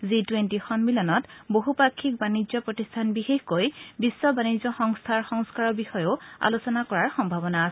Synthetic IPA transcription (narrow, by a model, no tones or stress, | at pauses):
zitwentixɔnmilɔnɔtboɦupakʰːik̚banizɔpɹɔtistʰanbixexkojbisːɔbanizɔxɔŋstʰaɹxɔŋskaɹɔbixɔjoa̰lusɔnakɔɹaɹxɔmbʱabɔnaːsɛ